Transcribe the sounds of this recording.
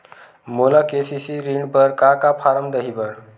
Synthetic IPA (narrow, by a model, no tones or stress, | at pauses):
molakesisiɾiɳɖpəɾkakapʰaɾəmd̪əɦibəɾ